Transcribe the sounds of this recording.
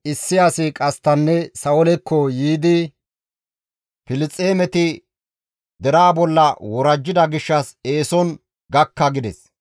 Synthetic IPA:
ʔɪsːɪjaːsɪkʼɐst̪ɐnːɛsɐɔlɛkːɔjiːd̪ɪ | pɪlɪt͡sʼːe̞ːmɛt̪ɪ | d̪ɛɾaːbɔlːɐwɔɾɐd͡ʒːɪd̪ɐɡɪʃːɐse̞ːsɔn | ɡɐkːɐɡɪd̪ɛs

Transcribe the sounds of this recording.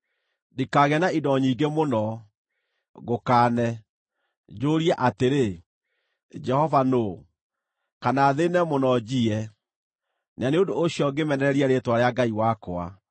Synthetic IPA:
dikaɣɛnaidɔɲiːɡemonɔ | ɣokaːnɛ | d͡ʒoːɾiɛʔateɾe | d͡ʒɛhɔvano | kanaːðenɛmonɔd͡ʑiɛ | naneondoːɕiɔɡemɛnɛɾɛɾiɛɾetwaɾeaɡaiwakoa̰

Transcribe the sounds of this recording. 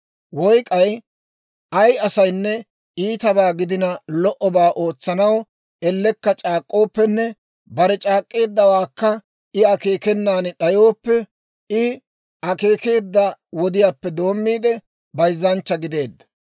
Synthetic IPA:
wɔjkʼɐj | ʔɐjɐsɐjnːɛ | iːt̪ɐbaːɡɪd̪ɪnɐlɔʔɔbaːʔo̞ːt͡sːɐnɐw | ɛlːɛkːɐt͡ʃʼaːkʼːo̞ːpːɛnːɛ | bɐɾɛt͡ʃʼaːkʼːe̞ːd̪ːɐwaːkːɐ | ɪɐke̞ːkɛnːaːnɗɐjo̞ːpːɛ | ɪ | ɐke̞ːke̞ːd̪ːɐwɔd̪ɪjaːpːɛd̪o̞ːmːiːd̪ɛ | bɐjzːɐnt͡ʃːɐɡɪd̪e̞ːd̪ːɐ̥

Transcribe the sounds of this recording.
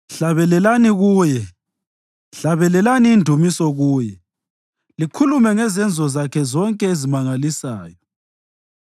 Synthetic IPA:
ɬaβɛlɛlaniɣuːjɛ | ɬaβɛlɛlaniːndʱumisɔɣuːjɛ | likʰulumɛŋɛzɛnd͡zʱɔzakʰɛzɔŋkʼɛezimaŋalisaːjɔ

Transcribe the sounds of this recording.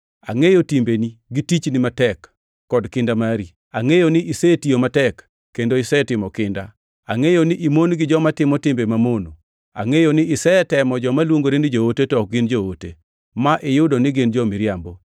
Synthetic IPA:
a̰ŋejotimbeniɡitit͡ʃnɪmatɛkː | ɔdkɪndamaɾi | aŋejonɪʔisetijomatɛkː | endoɪsɛtɪmɔkɪnda̰ | a̰ŋejoniʔimonɡɪd͡ʒɔmatɪmɔtɪmbemamono̰ | a̰ŋejonɪːsɛɛtɛmɔd͡ʒɔmalwoŋɡoɾindɪd͡ʒootetɔk̚ɡɪnd͡ʒootḛ | maʔɪjʊdonɪɡɪnd͡ʒɔmɪɾjambo

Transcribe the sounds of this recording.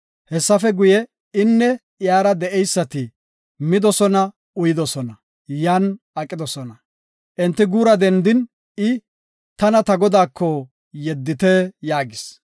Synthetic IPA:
hɛsːɐfɛɡʊjɛ | ɪnːɛ | jaːɾɐd̪ɛʔɛjsːɐt̪ɪ | mɪd̪ɔsɔnɐ | ʊjɪd̪ɔsɔnɐ | jan | ɐkʼːɪd̪ɔsɔnɐ | ʔɪnt̪ːɪɡuːɾɐd̪ɛnd̪ɪn | ɪ | t̪ɐnɐt̪ɐɡɔd̪aːkʰːɔ | jɛd̪ːɪt̪ɛjaːɡɪs

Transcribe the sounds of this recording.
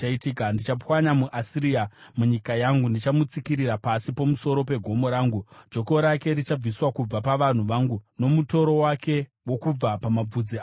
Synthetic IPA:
aitikandit͡ʃapwaɲamuʔasiɾiamuɲikajaŋɡundit͡ʃamut͡sikiɾirɾapasipo̞muso̞ɾo̞pe̞ɡʱo̞mo̞ɾaːŋɡud͡ʒo̞ko̞ɾake̞ɾit͡ʃab͡viswakub͡vapaʋan̤uʋaŋɡuno̞muto̞ɾo̞wake̞ | wo̞kub͡vapamab͡vud͡zi

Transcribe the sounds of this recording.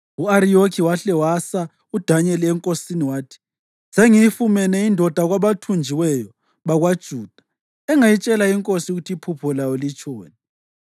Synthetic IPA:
uaɾiokʰiwaɬɛwasa | ud̥ʱaɲɛliɛŋkʼosiniwaːtʰi̥ | z̥eŋifumɛnɛindʱɔd̥ʱaɣwaβatʰund͡ʒʱiwɛjɔ | βaɣwad̥ʒ̥ʱuːd̥ʱḁ | ɛŋajit͡ʃʼɛlaiŋkʼosiuɣutʰipʰupʰɔlawɔlit͡ʃʼoːni

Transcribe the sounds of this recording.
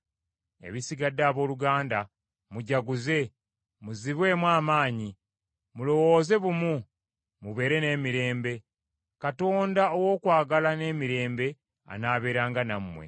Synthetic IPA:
ḛβisiɡadːaːβo̞ːluɡaːnda | muɟaɡuze̞ | muziβwe̞ːmwaːmaːɲi | mulo̞wo̞ːze̞βumu | muβe̞ːɾe̞ne̞ːmiɾe̞ːmbe̞ | kato̞ːndaowo̞ːkwaːɡalane̞ːmiɾe̞ːmbe̞ | a̰naːβe̞ːɾaːŋɡanamːwe̞̰

